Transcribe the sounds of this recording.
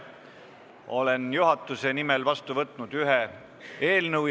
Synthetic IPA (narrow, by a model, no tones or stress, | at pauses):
o̞le̞njuɦɑt̪ːˑuse̞nimelvɑst̪uvɤt̪ˑːnud̪̥yɦe | e̞ːlnɤwj